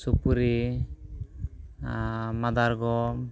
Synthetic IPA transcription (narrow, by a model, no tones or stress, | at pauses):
supuɾi | mad̪aɾɡɔ